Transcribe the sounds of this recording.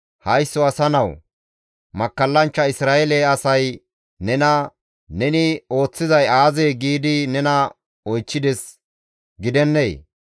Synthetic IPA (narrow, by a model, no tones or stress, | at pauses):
hɐjsːɔɐsɐnɐw | mɐkːɐlːɐnt͡ʃːɐɪsɾaːɛleɐsɐj | nɛnɐ | nɛnɪo̞ːt͡sːɪzɐjaːzeːɡiːd̪ɪnɛnɐ | ɔjt͡ʃːɪd̪ɛs | ɡɪd̪ɛnːeː